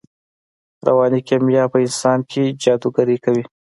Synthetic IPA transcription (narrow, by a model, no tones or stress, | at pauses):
ɾa̰wɑːnikemjɑpəɪnsɑnkʰed͡ʒɑd̪uɡaɾikawi